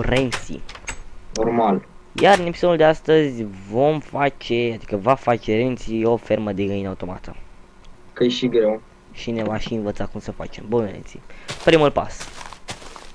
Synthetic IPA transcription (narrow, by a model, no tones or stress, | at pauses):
ɾe̞nt̪sḭnormal | jaɾɨnepi̥so̞d̪uld̪east̪əzʲvo̞mfat͡ʃe̞at̪i̥kəvafat͡ʃe̞ɾe̞nt̪sio̞fe̞rməd̪eɡəinaut̪o̞ma̰t̪ə̰ | kəjeʃiɡɾe̞w | ʃine̞vaʃiɨnvət̪sakumsəfa̰t͡ʃe̞mbunɾḛnt̪sḭpɾimulpa̰s